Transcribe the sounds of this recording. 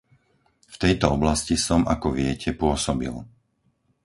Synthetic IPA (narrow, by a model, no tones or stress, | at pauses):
ft̪ɛjt̪ɔɔblascisɔmakɔʋɪɛcʰɛpʊɔsɔbḭl